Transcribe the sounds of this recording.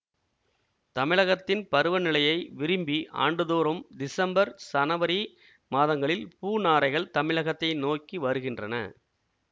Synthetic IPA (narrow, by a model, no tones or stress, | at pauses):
t̪ɐmɪɻɐɣɐt̪ːɪnpɐɾɯʋɐnɪɭɐjɐɪʋɪɾɯmbiʔa̰ːɳɖɯðoːɾɐmd̪ɪsɐmbɐɾsɐnɐʋɐɾi | maːðɐŋɡɐɭɪlpuːnaːɾɐɪɣɐɭt̪ɐmɪɭɐɣɐt̪ːɐɪnoːkːiʋɐɾɯɣɪndrɐnɐ̰